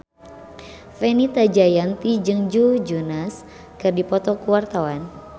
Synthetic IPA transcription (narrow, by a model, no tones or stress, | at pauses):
fɛnit̪ad͡ʒajant̪id͡ʒɨŋd͡ʒud͡ʒunas | kɨrdipɔt̪ɔkuwart̪awan